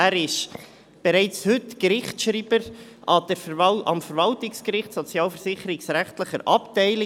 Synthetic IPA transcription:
æːɾɪʃ | b̥ɛɾɛɪt͡shʏtkɾɪχtʃɾiːb̥əɾɑd̪ɛɾɑ̰mfəɾvɑltɪkskɾɪχtsɔt͡sjɑːlfəɾsɪχəɾɪksɾæχtləχəɾʔɑptɛɪlɪ

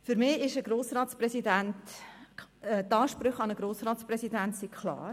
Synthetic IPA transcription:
fʏɾmɪːɪʃəɡɾoːsɾɑːtsprɛsidænt | tɑːʃpɾʏχɑnəɡ̥ɾoːsrɑːt͡spɾɛsidænsikʰlɑ̰ːɾ

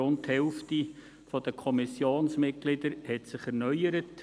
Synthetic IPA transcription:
ʊnthɛlfti | fɔd̥əkʰɔmɪsjoːnsmɪt̚ɡ̥lɪdəɾhɛtsɪχɛɾnœʏəɾət

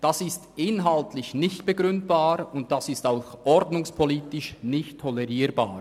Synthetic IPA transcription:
d̥asɪstɪnɦaltlɪçnɪçtb̥eɡʁʏnt̚b̥aːɾʊnt̚d̥asɪstaʊxʔɔɾdnʊŋspʰoliːtɪʃnɪçtʰːɔlɛʁiːɾba̰ːɾ

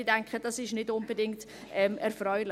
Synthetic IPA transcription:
idɛŋkχəd̥ɑsɪʃnɪdʊnb̥ədɪŋkt | ɛmɛɾfɾœʏlɪ

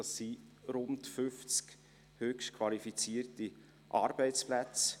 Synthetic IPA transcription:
ɑsːiɾʊntfʏft͡sk | høkʃtkʰvɑlifit͡siərti | ʔɑ̰ːɾb̥ɛɪt͡splæt͡s

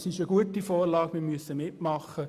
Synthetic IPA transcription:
sɪʃəɡ̥uətifɔːrlɑːkmɪːɾmyəsəmɪtmɑχə

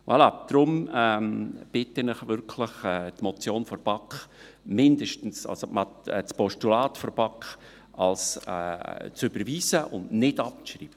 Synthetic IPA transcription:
wʔɑ̰lɑd̪̥ɾʊmɛːmb̥ɪtːɪnɪχʋʏɾkʰləχɛːtmɔt͡sjoːnfɔrb̥ɑkχ | mɪndəʃtn̩sɑ̰lsomɑtɛt͡spɔʃtulɑːtfɔrb̥ɑkχ | ɑlsɛ̰t͡søbəɾʋiːsəʔʊndnɪdɑp̚t͡sʃrḭːb̥ə

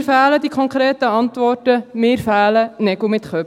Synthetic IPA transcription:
fæːlədikʰɔŋkɾeːtəɑntʋɔrtəmɪːɾfæːlənɛɡʊmɪt̪χœ

